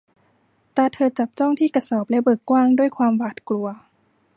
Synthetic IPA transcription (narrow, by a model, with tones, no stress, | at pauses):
t̪ɛː˨˩t̪ʰɤː˧t͡ɕa˨˩p̚t͡ɕɔ˥˩ŋt̪ʰiː˥˩ka˧sɔː˨˩p̚lɛ˦˥bɤː˨˩kːwaː˥˩ŋdu˥˩əjkʰwaː˧mwaː˨˩t̪̚klu˧ɐ